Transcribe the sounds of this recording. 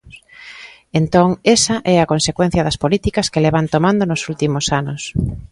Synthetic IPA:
ent̪oŋesɐʔɛɐkonsekwen̟θjɐðɐspolit̪ikɐskeleβant̪omãnd̪onosult̪imosanos

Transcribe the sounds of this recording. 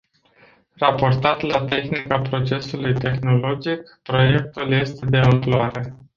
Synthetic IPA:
rapo̞rt̪at̪lat̪e̞xnikapɾo̞t͡ʃe̞sulujt̪e̞xno̞lo̞d͡ʒikpɾo̞je̞k̚t̪ulje̞st̪e̞d̪e̞ɨmploaɾe̞

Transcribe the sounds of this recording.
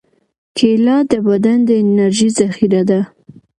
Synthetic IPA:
kʰelɑd̪əbad̪and̪əɪnaɾʒizaxiɾad̪a

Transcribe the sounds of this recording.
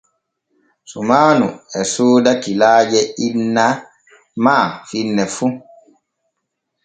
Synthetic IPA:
sumaːnṵɛsuːdatilaːd͡ʒɛinːa | maːfinːɛfu

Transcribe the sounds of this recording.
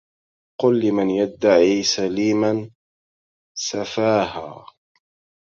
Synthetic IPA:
qʊlːɪmanjad̪ːaʕiːsaliːman | safaːha̰ː

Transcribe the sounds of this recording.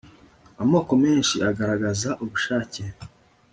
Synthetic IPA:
amoːko̞me̞ːnʃiaɡaɾaɡazaʔuβuʃaːce̞

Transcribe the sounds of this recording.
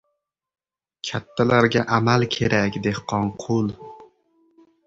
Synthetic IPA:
kʲʰat̪ʰːalaɾɡʲaʔamalkʲʰeɾakʲd̪ehqʰɒnqʰʊlˠ

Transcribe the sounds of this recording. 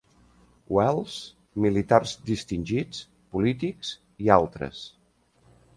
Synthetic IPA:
wɛlˠs | milit̪arzd̪ist̪inʲʒit͡s | pulit̪ikz̥ | ialˠt̪ɾə̰s

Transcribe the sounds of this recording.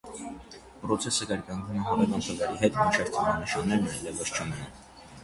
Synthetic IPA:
pɾɔt͡sʰɛsəkɑɾkɑŋɡ̪umɛɦɑɾɛkɑnt̪ʰəvɛɾiɦɛt̪mit͡ʃʰɑvt̪ʰɑnɑnəʃɑnːɛɾnɛɛlɛvəst͡ʃʰəmɛnɑn

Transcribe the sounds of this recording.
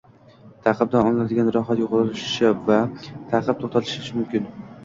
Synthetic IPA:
t̪ʰɑqɨb̚d̪anɒnlad̪ɪɡʲanɾɒχat̪joqlˠɪlʊʃɪ̥ʃavat̪ʰɑqʰɨp̚t̪ʰoχt̪ʰat̪ʰɪ̥ʃɪʃmʊmkʲɪn

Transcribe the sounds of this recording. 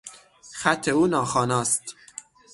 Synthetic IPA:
xæt̪ʰːeuːnɒːxɒːnɒːst̪

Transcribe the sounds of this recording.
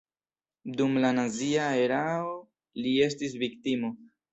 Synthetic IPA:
dumlanaziae̞ɾao | lie̞s̬tis̬viktimo̞

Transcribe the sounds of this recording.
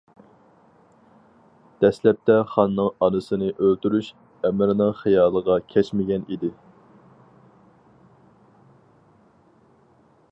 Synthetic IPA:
d̪̥ɛslɛp̚t̪ʰɛχɑnːɨŋɑnɨsɨnɨʔølt̪yɾyʃ | ɛmɪɾɪnɨŋχijɑːlˠəʁɑkʲʰɛt͡ʃmɪɡʲɛnid̪ɪ

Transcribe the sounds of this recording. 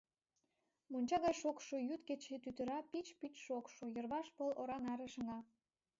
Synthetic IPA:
monʲt͡ɕɑɣɑjʃokʃojut̪ket͡ɕet̪yt̪ə̆ɾɑpit͡ɕpit͡ɕʃokʃojə̆rβɑʃpoloɾɑnɑɾeʃə̆ŋɑ

